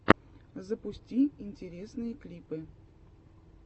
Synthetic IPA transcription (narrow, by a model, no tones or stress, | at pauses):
zəpʊsʲtʲiɪnʲtʲɪɾʲesnɨjəklʲipɨ